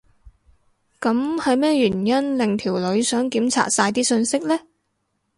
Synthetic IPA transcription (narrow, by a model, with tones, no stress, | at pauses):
kɐ˨˥mhɐ˨jmɛː˥jyː˨˩njɐ˥nlɪ˨ŋt̪ʰiː˨˩wlɵ˨˧ɥsœː˨˥ŋkiː˨˥mt͡sʰa̰ː˨˩t̚saː˧jt̪iː˥sɵ˧nsɪ˥k̚lɛː˥